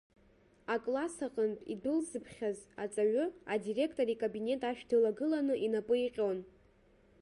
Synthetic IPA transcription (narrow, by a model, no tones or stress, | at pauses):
akʼlasaqʼəntʼḭdɨlzɨpʰχʲazat͡sʼaɥʊadire̞kʰtʼo̞ɾikʼabine̞tʼaʃᶣdɨlaɡɨlanɨʔinapʼɨiqʲʼo̞n